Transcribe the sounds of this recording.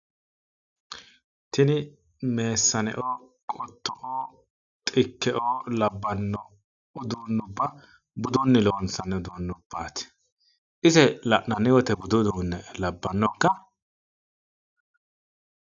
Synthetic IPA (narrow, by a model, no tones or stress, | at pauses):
t̪ɪnɪ | me̞ːsːɐnɛ̰ʔoː | kʼɔt̪ːɔʔoː | t̪ʼɪkːɛʔoːlɐbːɐnːɔ | ʊd̪uːnːʊbːɐ | bʊd̪unːɪloːnsɐnɛʊd̪unːʊb̥ːaːt̪ɪ̥ | ʔɪzɛlɐʔnɐnɪwɔt̪ɛbʊd̪ʊd̪uːnːɛlɐbːɐnːɔkːɐ